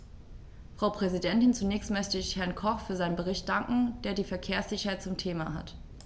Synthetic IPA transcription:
fʁ̥aʊpʁ̥ɛzidɛntɪnt͡sunɛːçstmœçtəɪçhɛɐnkʰɔχfyːɐzaɪnənbəʁ̞ɪçt̚d̥aŋkŋ̩d̥eːɐdiːfɛɐkʰeːɐsz̥ɪçɐhaɪt̚t͡sʊmtʰeːmaɦa̰t

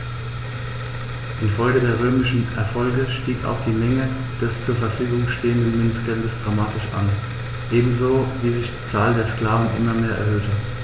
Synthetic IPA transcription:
ʔɪnfɔʏɡədeːɐʁ̞øːmɪʃn̩ɛ̰ɐfɔlɡəʃtiːka̰ʊxd̥iːmɛŋə | d̥ɛst͡suːɐfɛɐfyːɡʊŋʃteːəndən̩mʏnsɡ̥ɛndəsd̥ʁamaːtɪʃʔa̰n | ʔeːbm̩zoːviːzɪçd̥iːt͡saːldeːɐskl̥aːvn̩ʔɪ̰mɐmeːɐʔɛ̰ɐɦøːtʰə

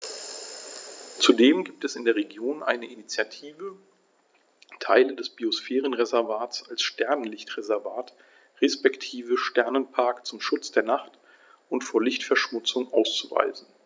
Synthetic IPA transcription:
t͡sudeːmɡiːp̚tɛsɪndeːɐʁeɡjoːnʔa̰ɪnəʔinit͡sjatʰiːvə | tʰaɪlədɛsb̥iosfɛːʁənʁezɛɐvaːtsalsʃtʰɛɐnənlɪçtʁ̥ezɛɐvaːt | ʁespɛktʰiːvəʃtɛɐnənpʰaɐkt͡sʊmʃʊt͡sd̥eːɐnaχt | ʔʊntfoːɐlɪçtfɛɐʃmʊt͡sʊŋʔaʊst͡suva̰ɪzn̩

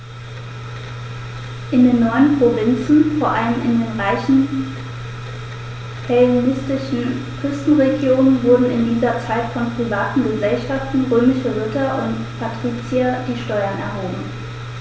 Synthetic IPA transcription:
ʔɪndeːnːɔʏənpʁ̥ovɪnt͡sn̩foːɐʔaləmɪ̰ndeːnʁaɪçn̩ | pʰɛlinɪstɪʃn̩kʁ̥ʏstn̩ʁeɡjoːnənvʊɐdn̩ɪndiːzɐt͡saɪtfɔnpʁ̥ivaːtn̩ɡəzɛlʃaftn̩ʁøːmɪʃəʁʊtɐʔʊ̰nt | pʰatʁ̥iːt͡siad̥iːʃtɔʏɐnɛ̰ɐɦoːbm̩

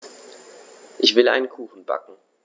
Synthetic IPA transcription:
ʔɪçv̥ɪlʔa̰ɪnənkʰuːxn̩ba̰kŋ̩

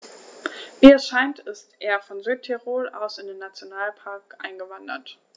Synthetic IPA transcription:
viːɛsʃaɪntɪstʔeːɐfɔnzyːtʰeʁoːlʔa̰ʊsɪndeːnːat͡sjonaːlpʰaɐkʔa̰ɪnɡəvandɐ̰t

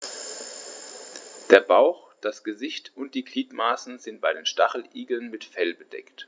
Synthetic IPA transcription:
d̥eːɐbaʊxd̥asɡ̥əzɪçtʊnt̚d̥iːɡliːtmaːsn̩zɪnt̚b̥aɪɾeːnʃtaχl̩ʔiːɡl̩nmɪtfɛlbəd̥ɛ̰kt

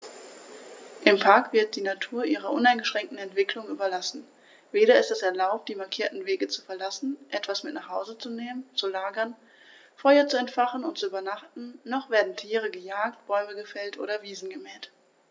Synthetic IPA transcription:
ʔɪmpʰaɐkv̥ɪɐt̚d̥iːnatʰuːɐʔiːʁɐʔʊnaɪnɡəʃʁ̥ɛŋk̚tn̩ɛntv̥ɪklʊŋʔyːbɐlasn̩ | veːɾɐɪstɛsɛɐlaʊp̚t̚d̥iːmaɐkʰiːɐtn̩veːɡət͡su̥fɛɐlasn̩ʔɛtv̥asmɪtnaːχhaʊzət͡suneːmənt͡sulaːɡɐn | fɔʏɐt͡suɛntfaχn̩ʊnt̚t͡suyːbɐnaχtn̩nɔχv̥eːɐdn̩tʰiːʁ̞əɡəjaːk̚tb̥ɔʏməɡəfɛltʔo̰ːɾɐviːzn̩ɡəmɛːt

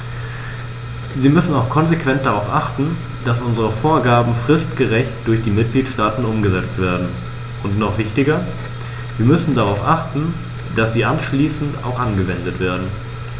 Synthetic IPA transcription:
ziːmʏsn̩aʊxkʰɔnzekv̥ɛnt̚d̥aʁaʊfʔaχtn̩ | d̥asʔʊnzəʁəfoːɐɡaːbm̩fʁ̥ɪstɡ̥əʁɛçt̚d̥ʊɐçd̥iːmɪt̚ɡ̥liːtʃtaːtn̩ʊmɡəzɛt͡stv̥eːɐdn̩ | ʔʊntnɔχv̥ɪçtɪɡɐ | viːɐmʏsn̩daʁaʊfʔaχtn̩ | d̥asz̥iːʔanʃliːsn̩ta̰ʊxʔanɡəvɛndətv̥eːɐdn̩

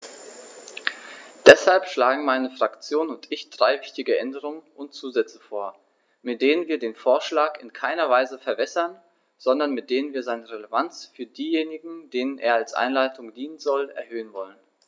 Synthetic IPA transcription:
d̥ɛshalpʃlaːɡŋ̩maɪnəfʁ̥akt͡sjoːnʊntɪçd̥ʁaɪvɪçtɪɡəʔɛndəʁ̞ʊŋənʊntt͡suːzɛt͡sə̥foːɐ | mɪt̚d̥eːnənviːɐdeːnfoːɐʃlaːkɪnkʰaɪnɐvaɪzəfɛɐbɛsɐn | z̥ɔndɐnmɪt̚d̥eːnənviːɐzaɪnəʁeləvant͡sfyːɐdiːjeːnɪɡŋ̩d̥eːnənʔḛːɐalsʔa̰ɪnlaɪtʰʊŋdiːnənzɔlɛ̰ɐhøːənvɔlən

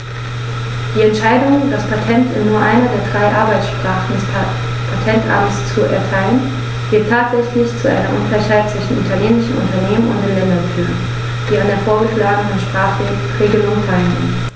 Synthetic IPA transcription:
d̥iːɛntʃaɪdʊŋndaspʰatʰɛntɪnːuːɐʔaɪnɐdeːɐdʁaɪʔaɐbaɪt͡sʃpʁ̥aːχn̩dɛs | pʰatʰɛntʔa̰mst͡suɛ̰ɐtʰaɪlən | v̥ɪɐtʰːaːtz̥ɛçlɪçt͡suʔa̰ɪnɐ̰ʔʊnɡlaɪçhaɪt̚t͡sv̥ɪʃn̩ʔʊtʰɐleːmɪʃn̩ʊ̰ntɐneːmənʊ̰nt̚d̥eːmlɛndɐnfyːɡŋ̩ | d̥iːandeːɐfoːɐɡəʃlaːɡənənʃpʁ̥aːχ | ʁeːɡəlʊŋfaɪnn̩

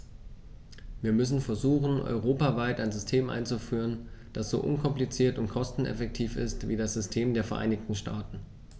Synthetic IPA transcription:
viːɐmʏs̬n̩fɛɐzuːχn̩ʔɔ̰ʏʁ̞oːpavaɪtaɪnzʏstʰeːmʔa̰ɪnt͡sufyːʁ̞ənd̥asz̥o̰ːʔʊ̰nkʰɔmplit͡siːɐtʊntkʰɔstn̩ɛ̰fɛk̚tʰiːfɪ̰stv̥iːdasz̥ʏstʰeːmdeːɐfɛɐʔa̰ɪnɪçtn̩ʃtʰaːtn̩

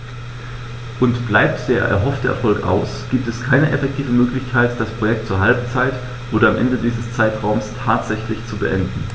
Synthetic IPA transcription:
ʔʊntb̥laɪp̚td̥eːɐʔɛ̰ɐɦɔftd̥əɛɐfɔlkʔa̰ʊsɡ̥iːp̚tɛskʰaɪnəʔɛfɛk̚tʰiːvəmøːklɪçkʰaɪtd̥aspʁ̥ojɛk̚tt͡suːɐɦalbt͡saɪt | ʔoːɾɐamʔɛ̰ndədiːzəst͡saɪtʁaʊmstʰaːtz̥ɛçlɪçt͡subəʔɛndn̩

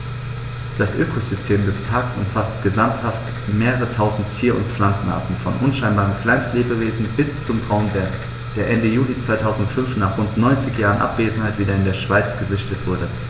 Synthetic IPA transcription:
d̥asʔøːkʰozʏstʰeːmdɛspʰaɐksʊ̰mfastɡ̥əzamthaft | meːʁəʁətʰaʊzn̩tʰːiːɐʔʊ̰ntp͡flant͡sn̩ʔa̰ɐtn̩fɔnʔʊnʃaɪnbaːʁənkl̥aɪnstleːbəveːzn̩b̥ɪst͡sʊmʁaʊmdeɐ | d̥eːɐʔɛndəjuːlit͡sv̥aɪtʰaʊzn̩ʊtfʏnfnaːχʁ̥ʊntnɔʏnt͡sɪçjaːʁ̞ənʔa̰pv̥eːzn̩haɪtv̥iːdɐɪndeːɐʃv̥aɪt͡sɡ̥əzɪçtətv̥ʊɐdə

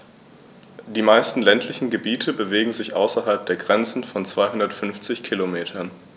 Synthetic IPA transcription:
d̥iːmaɪstn̩lɛntʰlɪçn̩ɡəbiːtʰəbəveːɡŋ̩zɪçʔaʊsɐɦalp̚d̥eːɐɡʁɛnt͡sn̩fɔnt͡sv̥aɪɦʊndɐtfʏnft͡sɪçkʰilomeːtʰɐn

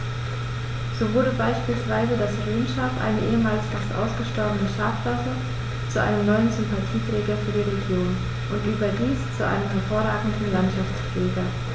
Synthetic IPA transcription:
z̥oːvʊɐɾəbaɪʃpiːlsv̥aɪzədasʁeːnʃaːfʔa̰ɪnəʔeːəmaːlsfastʔa̰ʊsɡ̥əʃtɔɐbənəʃaːfv̥afə | t͡suʔa̰ɪnəmnɔʏənzʏmpatʰiːtʁ̥ɛːɡɐfyːɐdiːʁeɡjoːn | ʔʊntʔyːbɐdiːst͡suʔa̰ɪnəmɦɛɐfoːɐʁaːɡŋ̩dn̩lantʃaft͡sflɛːɡɐ

